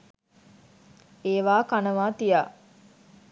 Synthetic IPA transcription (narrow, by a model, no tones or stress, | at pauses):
eːʋaːkanəʋaːt̪ijaː